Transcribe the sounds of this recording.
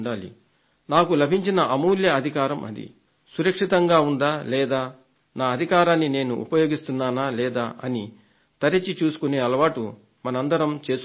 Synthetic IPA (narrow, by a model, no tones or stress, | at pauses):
ɳɖaːlḭ | naːkulɐbʱiɲt͡ʃinɐʔɐmuːljɐɐd̪ʱikaːɾɐmʔɐ̰d̪ḭ | suɾɐkʂit̪ɐŋɡaːund̪aːlɛːd̪aː | naːɐd̪ʱikaːɾaːnːine̞ːnuʔṵpɐjoːɡist̪unːaːnaːlɛːd̪aːʔɐ̰ni | t̪ɐɾɐt͡ʃːit͡ʃuːsu̥kune̞ːɐlɐʋaːʈu | mɐnɐɐnd̪ɐɾɐmt͡ʃe̞ːs